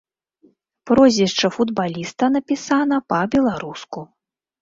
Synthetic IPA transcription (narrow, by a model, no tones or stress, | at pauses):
pɾɔzʲiʂt͡ʂɐfud̪balʲist̪ɐnɐpʲisanɐpɐbʲɛlˠaɾusku